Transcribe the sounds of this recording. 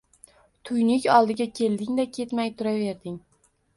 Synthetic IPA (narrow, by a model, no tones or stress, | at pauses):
t̪ʰʊjnɪkʲɒlˠd̪ɪɡʲakʲʰe̞ld̪ɪŋd̪akʲʰe̞t̪majt̪ʰʊɾave̞ɾd̪ɪŋ